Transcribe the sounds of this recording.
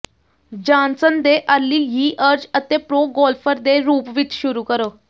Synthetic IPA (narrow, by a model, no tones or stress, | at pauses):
d͡ʒãːnsənd̪eːʔəɾliːjiːʔəɾd͡ʒət̪eːpɾoːɡɔːlpʰəɾd̪eːɾuːpʋɪt͡ʃʃʊɾuːkəɾoː